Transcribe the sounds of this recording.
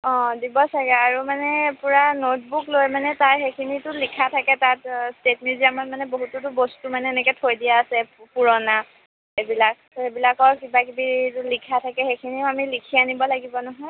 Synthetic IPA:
ɔ̃dibɔsaɹɛaɹumanɛpuɹanot̚buklojmanɛtaɹxekʰinitʊlikʰatʰakɛtatstetmiziamanmanɛboɦututʊbostumanɛɛnɛkɛtʰojdijaːsɛpuɹɔna | ebilak̚ | ebilakɔɹkibakibitulikʰatʰakɛxekʰiniamilikʰianibɔlaɡibɔnɔɦɔj

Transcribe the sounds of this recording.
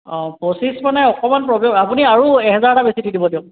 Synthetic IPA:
ɔ̃posismanɛɔkɔmanpɹɔbeapuniaɹuɛɦɛzaɹtabesididibɔdiʊ̃

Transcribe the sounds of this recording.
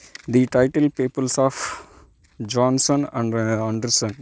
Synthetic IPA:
d̪iʈaɪʈəlpeːpəlsɔːf | d͡ʒɔ̃ːnsə̃nããɳɖəɾsə̃n

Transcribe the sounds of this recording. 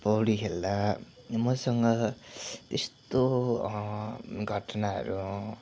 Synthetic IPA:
pʌwɽikʰeld̪a | mʌsʌŋɡʌ | t̪est̪o | ɡʱʌʈʌnaɦʌ̰ɾu

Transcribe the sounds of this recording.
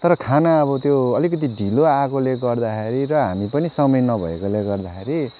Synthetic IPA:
t̪ʌɾʌkʰanaʌβʌt̪joːlikʌt̪̬iɖʱiloakoleɡʌrd̪akeɾiɾʌɦamipʌnisʌmʌjnʌbʱʌ̰ḛkoleɡʌrd̪axeɾi

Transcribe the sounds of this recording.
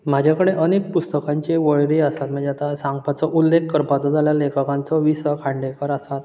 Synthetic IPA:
m̤ad͡ʑʱakəɽeʔənek̚pust̪əkãɲt͡ɕeʋəɭɾeəsat̪məd͡ʑat̪asãŋɡpat͡sɔʔulːekːəɾpat͡sɔd͡zʱaljalekəkãnt͡sɔʋisəkʰãɳɖekəɾəsat̪

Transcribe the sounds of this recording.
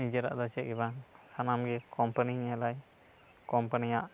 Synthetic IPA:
id͡ʒəɾa̰ʔd̪ɔt͡ʃɛʔibaŋsanamɡɛkɔmpaniɲalaj | kɔmpanijaʔ

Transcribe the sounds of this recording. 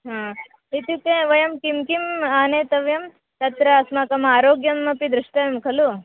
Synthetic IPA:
ɦãː | it̪ukẽːʋɐjɐmkimkimaːneːt̪ɐʋjɐm | t̪ɐt̪ɾɐːsmakɐmaːɾoːɡjɐmːɐpid̪ɾuʂʈɐɐmkʰɐlu

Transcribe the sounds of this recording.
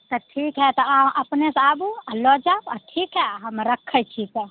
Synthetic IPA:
t̪ɔʈʰikɦɛt̪ɔaəpnesabualɔd͡ʒabaʈʰikɦɛɦəmɾəkʰːət͡ʃʰit̪ɔ

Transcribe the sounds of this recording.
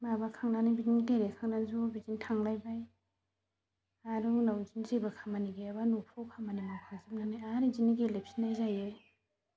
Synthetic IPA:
mabakʰaŋnanajbid͡ʒinteɾekʰaŋnanzobid͡ʒintʰaŋlajbaj | aɾunawzinzebakʰamaniɡeabanupʰɔwkʰamanimapʰaŋzim̚nanajaɾiziniɡelep̚sinajzajej

